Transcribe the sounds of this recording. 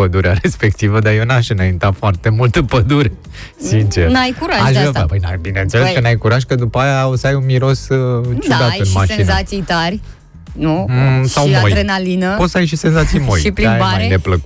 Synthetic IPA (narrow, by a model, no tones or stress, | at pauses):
pəd̪uɾeaɾe̞spe̞k̚t̪ivəd̪ajenaʃɨnajint̪afoart̪emult̪əpəd̪uɾe | sint͡ʃe̞rnajkuɾaʒaʒapəjnabinent̪seleskənajkuɾaʒkəd̪upəajaosəajunmiɾo̞st͡ʃud̪ajɨnmasʃinnat̪sijt̪arʲ | nusawmojɾenalinəpo̞t̪səajʃ̬ise̞nzat̪sijmojʃipɾiaaaed̪epləku